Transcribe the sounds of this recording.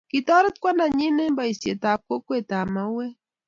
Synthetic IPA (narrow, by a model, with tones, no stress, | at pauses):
ki˨t̪ɔ˦ɾɪ˦t̪̚kwa˦nda˨ɲi˦ne˦mba˨i˨sje˨ta˨p̚ko˦kwe˨t̪a˨ma˨we˦